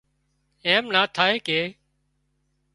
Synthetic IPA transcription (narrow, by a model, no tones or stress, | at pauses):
eːmnaːt̪ʰaːɦeːkeː